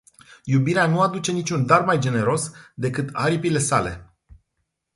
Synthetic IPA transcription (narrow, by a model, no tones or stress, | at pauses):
jubiɾeanuad̪ut͡ʃe̞nit͡ʃʲund̪armajd͡ʒe̞ne̞ɾo̞sd̪e̞kɨt̪aɾipile̞sale̞̰